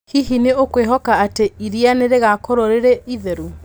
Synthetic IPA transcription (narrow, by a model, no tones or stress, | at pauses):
hiɦineokweɦɔkaateiɾianeɾeɣakɔɾoɾeɾeiðeɾu